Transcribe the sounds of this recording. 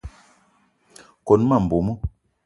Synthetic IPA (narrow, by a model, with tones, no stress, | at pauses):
kɔ˨n˦ma˦˨m̩˨bo˨mɔ˦